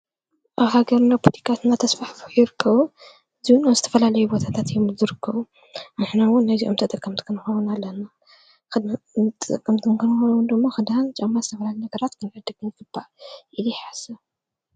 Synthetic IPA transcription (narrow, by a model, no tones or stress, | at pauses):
ʔaβhaɡɐɾnapʰut̪ʰi̥kʰat̪ɨnːat̪ʰɐsfaħfɨħjɪɾɨkʰːɐβu | ɨziwunomzɨt̪ʰɐ̥fɐlalɐjubo̞t̪ʰat̪ʰat̪jomzɨɾɨkʰːɐβu | nɨħnawʊnːajziʔomt̪ʰɐt̪ʼɐkʼːɐmt̪kʰɨnɨxowunalːɐna | ɨmɨt̪ʼːɨt̪ʼɨkʼːɐmt̪ʰɨnkʰɨnɨxonɐwund̪ɨmːaxɨd̪aant͡ʃʼɐmazɨt̪ʰɐfɐlalinɐɡɐɾat̪kʰɨnħɨd̪ɨɡɨmɨɡɨbːaʔʔilujɛħasɐ